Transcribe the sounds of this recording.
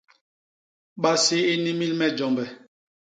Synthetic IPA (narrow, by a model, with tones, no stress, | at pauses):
ɓa˦si˦e˦ni˦mi˦lmɛ˦d͡ʒɔ˨mbɛ˨